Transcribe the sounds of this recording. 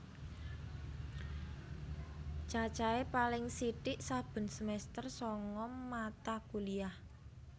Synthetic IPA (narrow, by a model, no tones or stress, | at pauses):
t͡ʃat͡ʃaepalɪŋsiʈɪʔsab̥ə̤nsəmɛst̪ərsɔŋɔmːat̪akuliah